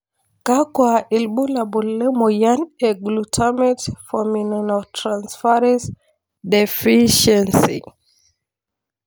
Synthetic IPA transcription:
kakwaʔilɓulabulːɛmɔjanɛɡlutʰamɛtfɔminɔnɔtʰɾãnsfaɾɛns | dɛfiʃɛnsḭ

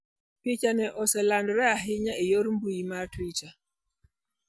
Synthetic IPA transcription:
pɪt͡ʃanɛʔɔsɛlandɾɛaɦɪɲaʔejoɾmbujimaɾtwit͡ʃa

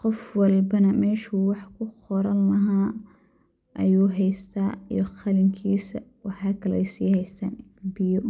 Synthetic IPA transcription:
qɔfwɑlbɐnɐmɛːʃuːwɑħkʰʊqɔɾɐnlɐɦaː | ʔɐjuːɦɛjst̪ʰaːḭjɔxɐlɪŋkʰiːsɐwɑħɑːkʰɐlɐʔɛjsiːhɛjst̪ʰaːnɪbɪjɔ

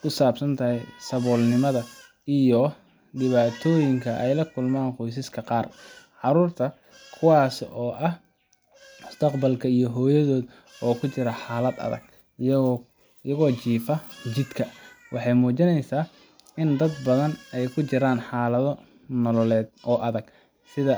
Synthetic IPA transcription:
kʰʊsaːbsɐnt̪ʰɐɦɛjsɐβɔːlnɪmɐðɐ | ijɔ | ɖɪβaːt̪ʰɔːjɪŋkʰɐʔɛjlɐkʰʊlmaːnqɔjs̬ɪskʰɐqɑːrʕɑɾuːrt̪ʰɐ | kʰʊwɑːsɔːʔɐh | mʊst̪ʰɐqbɐlkʰɐijɔɦɔːjɐðɔːd̪ | ɔːkʰʊt͡ʃɪɾɐħɑːlɐd̪ɐ̰ðɐ̰ɡ̥ | jɐɣɔːt͡ʃiːfɐt͡ʃɪd̪kʰɐwɑħɑjmuːt͡ʃɪnɛjsaː | ɪnd̪ɐd̪bɐðɐnɛjkʰʊt͡ʃɪɾaːnħɑːlɐðɔ | nɔlɔlɛːd̪ʔɔːʔɐðɐɡ̥ | sɪðɐ

